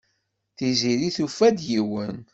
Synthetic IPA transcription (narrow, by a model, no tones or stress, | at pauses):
θiziɾiθufæd̪jiwən